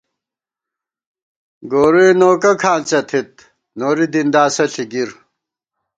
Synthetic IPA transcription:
ɡoːɾuenoːkɐkʰaːnt͡sɐt̪ʰit̪̚ | noːɾid̪ind̪aːsɐɬʰiɡiɾ

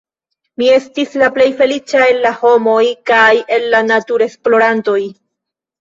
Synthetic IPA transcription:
mie̞stislaple̞jfe̞lit͡ʃae̞lːaho̞mo̞jkaje̞lːanatuɾe̞splo̞ɾanto̞j

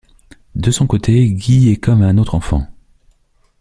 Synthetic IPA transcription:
d̪əsɔ̃kot̪ʰeɡʲiɛkɔmɛ̃not̪χɑ̃fɑ̰̃

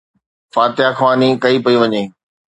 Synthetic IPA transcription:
faːt̪ɪjaxʋaːnikɐipɐiʋɐɲẽː

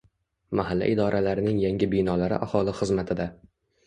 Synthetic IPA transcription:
mahalːa̰ʔɪd̪ɒɾʔalaɾɪnɪŋjaŋʲɪbijnɒlaɾɪ̰ʔahɒlˠɪχɨzmat̪ʰɪd̪a

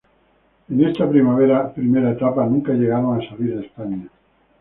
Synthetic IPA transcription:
enest̪apɾimaβeɾapɾimeɾaet̪apanũŋkaʎeɣ̞aɾoŋasaliɾespaɲa

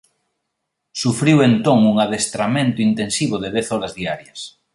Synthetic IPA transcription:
sufɾiwent̪oŋuŋaðest̪ɾamẽnt̪ʊint̪ensiβ̞oðeðɛθɔɾɐzðiaɾjɐs

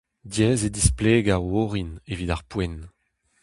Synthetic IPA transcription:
djɛːzed̪ispleːɡawoʁinevidaʁpwɛn

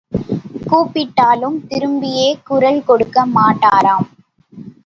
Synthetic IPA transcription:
kuːpːɪʈːaːlɯmt̪ɪɾɯmbɪjeːkʊɾɐlkɔɽɯkːɐmaːʈːaːɾaːm

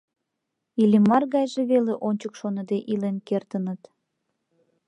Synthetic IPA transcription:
ilʲimːɑrɣɑjʒeβeleʔonʲt͡ɕəkʃonəd̪eʔilenkert̪ənət̪

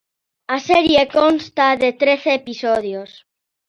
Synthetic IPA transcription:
aseɾjekonst̪aðet̪ɾeθeːpisoðjos

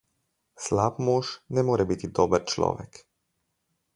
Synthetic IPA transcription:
slaːpmoːʃnɛmoːɾɛbit̪id̪ɔːbəɾt͡ʃlɔ̰ːʋɛ̰k

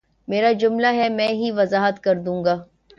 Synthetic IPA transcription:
meːɾad͡ʒʊmlaɦɛmɛ̃ːɦiʋɐzaːɦət̪kɐɾd̪ũːŋɡaː

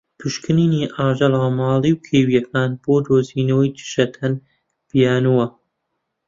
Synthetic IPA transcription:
t̪ʰuʃkɨniːniːʔaːʒɐlaːmɑːlˠiːwkʰejwijɐkʰaːnb̥oːd̪oːziːnoːjd͡ʒɨ̥ʃɐt̪ʰɐn | b̥ijaːnuwɐ

